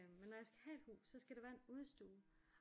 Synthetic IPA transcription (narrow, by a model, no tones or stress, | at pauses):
mmenːɒjɑ̈ɪsɡ̥æ̥hæe̝d̥hṵːsːɒ̽sɡ̥æɾeʋæːɐe̝nuð̞ˠsd̥ṵː